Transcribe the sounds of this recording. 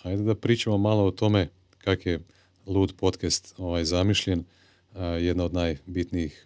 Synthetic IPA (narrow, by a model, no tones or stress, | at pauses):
ajd̪ed̪apɾiːt͡ʃamomaloot̪o̞me̞ | kakje | lˠuːd̪po̞t̪kɛst̪oʋajzamiʃʎen | jed̪naod̪naːjbit̪nijix